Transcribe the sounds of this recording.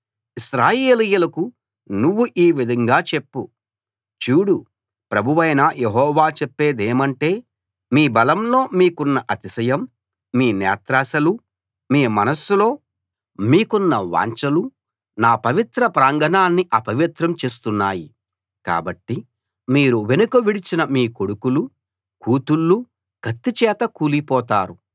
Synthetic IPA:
isɾaːjee̞ːlijulɐku | nuʋːuʔiːʋid̪ʱɐŋɡaːt͡ʃepːu | t͡ʃuːɽu | pɾɐbʱuʋɐjnɐjeɦɔːʋaːt͡ʃepːe̞ːd̪eːmɐɳʈe̞ː | miːbɐlɐmlo̞ːmiːkunːɐʔɐt̪isɐjɐmː | iːnɛ̰ːt̪ɾaːsɐlu | miːmɐnɐsulo̞ː | miːkunːɐʋa̰ːɲt͡ʃɐlu | naːpɐʋit̪ɾɐpɾaːŋɡʱɐnaːnːiʔɐpɐʋit̪ɾɐmt͡ʃe̞ːs̬t̪unːaːji | ka̰ːbɐʈːi | miːɾuʋe̞nukɐʋiɽit͡ʃinɐmiːko̞ɽukulu | kuːt̪ulːu | ɡ̥ɐt̪ːit͡ʃɛːt̪ɐkuːlipɔːt̪aːɾu

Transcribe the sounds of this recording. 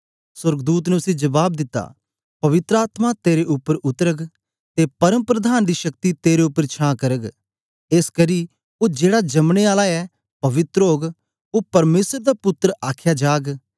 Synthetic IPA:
sɐɾɡd̪uːt̪̬nɛʊsĩd͡ʒɐʋaːb̚d̪ɪt̪ːa̰ | pɐʋɪt̪ɾəaːt̪mat̪eːɾeʔʊpːəɾʊt̪əɾəɡ | t̪epɐɾəmpɾəd̪ʱaːnd̪iʃɐk̚t̪it̪eːɾeʊpːəɾt͡ʃʰãːkɐɾəɡ | eːskəɾi | od͡ʒeːɽad͡ʒɐmɽ̃eaːlaɛ | pɐʋɪt̪ɾɦoːɡ | opɐɾmeːsəɾd̪apʊt̪ːɾəʔaːkʰjad͡ʒaːɡ

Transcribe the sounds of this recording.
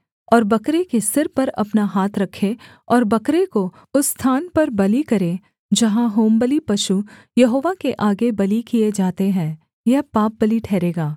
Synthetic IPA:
ɔːɾbɐkɾekesɪɾpɐɾɐ̰pnaɦaːt̪ʰɾɐkʰːe | ɔːɾbɐkɾeko | ʊsːt̪ʰaːnpɐɾbɐlikɐɾẽ | d͡ʒɐɦãɦoːmbəlipɐʃu | jɐɦoːʋakeʔaːɡebɐlikied͡ʒaːt̪eɦɛ̃ː | jɐɦpaːp̚bɐliʈʰɛːɾeːɡaː

